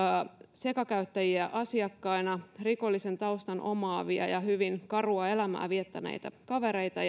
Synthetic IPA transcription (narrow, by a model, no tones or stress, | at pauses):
se̞kɑkæyt̪ːæjiæʔɑsiɑkːɑinɑriko̞lːise̞nt̪ɑust̪ɑnʔo̞̰mɑːʋiɑ̰jɑhyʋinkɑruɑe̞læmæ̰ːʋiet̪ːæ̰nḛijt̪æ̰kɑʋe̞ɾe̞jt̪ɑ